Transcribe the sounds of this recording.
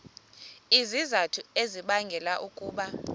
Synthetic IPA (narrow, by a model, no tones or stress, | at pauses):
izizatʰueziɓaŋɡʱɛlaʔukʼuːɓa